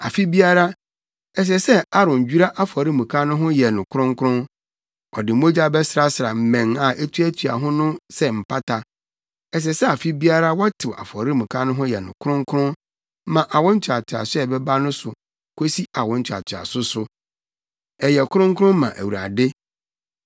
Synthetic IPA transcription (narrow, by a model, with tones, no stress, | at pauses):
a˨fi˦bi˦a˦ɾa˦ | ɛ˨s̬ɛ˨sɛ˦a˦ɾʊ̃˨ɲ˨d͡ʑᶣu˦ɾa˦ʔa˦fɔ˨ɾi˦mũ˨kʰã˦nʊ̃˦ɦʊ̃˦jɛ˨nʊ̃˨kʰʊ˦ɾʊ̃˦ŋ˦kʰʊ˦ɾʊ̃˦n | ɔ̰˨dɪ˨˦mo˦d͡ʑa˦bɛ˦sɾa˦sa˨m̩˨mɛ̃˨ŋa˨ʔɛ˦tʰɥæ˦tʰɥa̰˨ɦʊ̃˦nʊ̃˦sɛ˦m̩˨pʰa˦tʰa˨ | ɛ˨s̬ɛ˨sɛ˦a˨fi˦bi˦a˦ɾa˦wɔ˦tʰɪ˨wa̰˨fɔ˨ɾi˦mũ˨kʰã˦nʊ̃˦ɦʊ̃˦jɛ˨nʊ̰̃˨kʰʊ˦ʊ̃˦ŋ˦kʰʊ˦ɾʊ̃˦ | mã˨ʔa˨wɔ̃˦n̩˦t͡ɕʰᶣa˨tʰɪ˨a̰˨sʊ˦ɛ˨bɛ˦ba˦nʊ̃˦sʊ˨ | kʰo˦si˦a˨wɔ̃˦n̩˦t͡ɕʰᶣa̰˨tʰɪ˨a̰˨sʊ˦sʊ˨ | ɛ˨jɛ˨kʰʊ˦ɾʊ̃˦ŋ˦kʰʊ˦ɾʊ̃˦mːã˨ʔæ˨wu˨ɾa̰˨dɪ˦